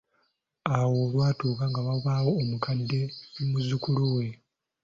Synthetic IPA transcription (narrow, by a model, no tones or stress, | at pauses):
awo̞ːlwaːtuːkaŋɡaβaβaːwo̞ːmukʰadːe̞muzukuluwe̞